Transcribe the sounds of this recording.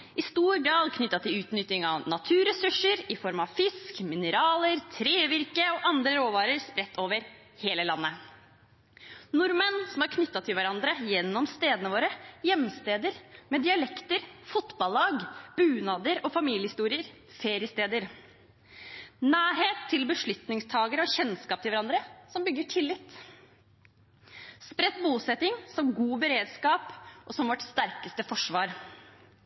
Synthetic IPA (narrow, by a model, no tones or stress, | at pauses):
ʔɪst̪uːɾɡɾɑːlkʰnʏt̪ːɑt̪ʰɪlʉːt̪nʏt̪ɪŋɑ̰ʋnɑt̪ʰʉːɾɛsʉʂəɾɪfɔɾmɑʋfɪskmɪnəɾɑːləɾt̪ʰɾeːʋɪɾkəɔʔɑnd̪ɾəɾoːʋɑːɾəɾspɾɛt̪ːoːʋəɾ | heːləlɑnːə | nʊɾmənsɔmɑɾkʰnʏt̪ːɑt̪ʰɪlʋæɾɑnd̪ɾəjɛnːɔmst̪eːd̪ənəʋoːɾəjɛmːst̪eːd̪əɾmɛd̪ɪɑlɛkt̪əɾfʊt̪bɑlːɑːɡb̥ʉːnɑːd̪əɾɔfɑmiːlɪəhɪst̪uːɾɪəɾ | feːɾɪəst̪eːd̪əɾ | næːɾheːt̪ʰːɪlbəʂɭʏt̪nɪŋst̪ʰɑːɡəɾəɔçɛnskɑːp̚t̪ɪlʋæɾɑnd̪ɾəsɔmbʏɡːəʈʰɪlːɪt̪ | spɾɛt̪ːbuːsɛt̪ɪŋsɔmɡuːbəɾeːd̪skɑːpʔɔsɔmʋɔʈst̪æɾkəst̪əfɔʂʋɑːɾ